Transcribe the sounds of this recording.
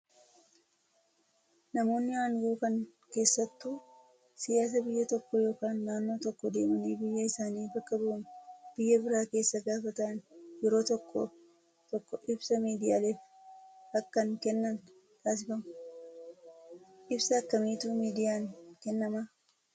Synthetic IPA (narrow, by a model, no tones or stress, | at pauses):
nɐmo̞ːnːɪwaːŋɡuːkɐŋ | ke̞ːsːɐt̪ːu | sɪjaːs̬ɐbɪjːɐt̪ɔkːɔjo̞ːkaːnːaːnːo̞ːt̪ɔkːɔd̪e̞ːmɐniːbɪjːɐɪsaːniːbɐkːɐbʊʔʊnb̥ɪjːɐbɪɾaːke̞ːsːɐɡaːfɐt̪ɐnjɛɾo̞ːt̪ɔkːɔ̰ | t̪ɔkːɔʔɪbsɐmiːd̪ɪjaːle̞ːf | hɐkːɐŋkɛnːɐn | t̪ʰaːs̬ɪfɐmɐ | ʔɪbsɐːkːɐmiːt̪uːmiːd̪ɪjaːnkɛnːɐmɐ